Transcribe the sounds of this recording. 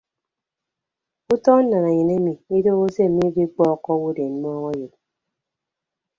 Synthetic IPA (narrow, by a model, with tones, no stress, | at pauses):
u˦tɔ˦n̩˦na˨na˨je˨ne˦mi˨i˦do˦ɣo˦se˦m̩˨mi˦ɡi˦k͡pɔ˦˨kːɔ˦wu˦de˨n˦m˦ɔ˦ɣɔ˦jo˨t̚